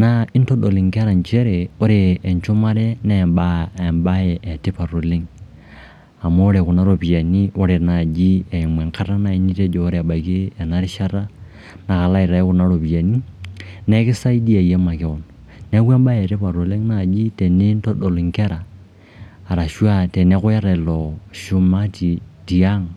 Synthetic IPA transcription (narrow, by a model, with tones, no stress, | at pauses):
na˨ɪ˦nto˦ɗo˨li˨ŋke˦ɾa˨nt͡ʃe˦ɾe˨o˦ɾeː˨nt͡ʃo˦ma˦ɾɛ˦nɛ˨mba˦˨mba˦je˨ʔe˨te˦pa˨ɾo˨le˦ŋ | a˨moː˦ɾe˨kʊ˨na˦ɾo˨pi˨a˨ni˦o˦ɾe˨na˨d͡ʒi˦e˨i˨mwɛ˨ŋka˦ɾa˦na˨i˦ni˦te˦d͡ʒoː˨˦ɾe˨a˨ba˨kiː˦˨na˦ɾɪ˦ʃa˦ɾa˦ | na˨ka˨la˦i˨ɾa˨i˦ku˨na˦ɾo˨pi˨ja˨ni˦ne˦ki˦sa˦i˦di˦a˨je˦ma˨ke˨o˨n | ne˦kwa˦mba˦jti˦pa˨ɾo˨li˦ŋna˨d͡ʒi˦te˨ne˦n˦to˦ɗo˨lu˨ŋke˦ɾaː˨ | ɾa˨ʃwa˦te˨ne˦ku˦ja˦ɾa˨lo˨ʃu˦ma˦ti˨di˨a˦ŋ